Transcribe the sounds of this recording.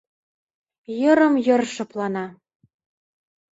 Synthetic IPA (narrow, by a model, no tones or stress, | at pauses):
jɤ̆ɾɤ̆mjɤ̆rʃɤ̆plɑnɑ